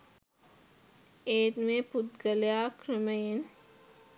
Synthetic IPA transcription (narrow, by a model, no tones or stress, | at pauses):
eːt̪mẽpʊt̪ɡɐljaːkɾəmeen